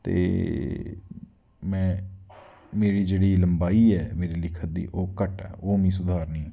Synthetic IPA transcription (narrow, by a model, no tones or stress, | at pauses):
t̪ḛː | mɛ̃ː | meːɾiːd͡ʒeːɽiːləmbaːiːɛːmeːɾiːlɪkʰət̪̚d̪ḭːʔoːkəʈɛ̰ːoːmĩːs̬ʊd̪ʱaːɾnĩː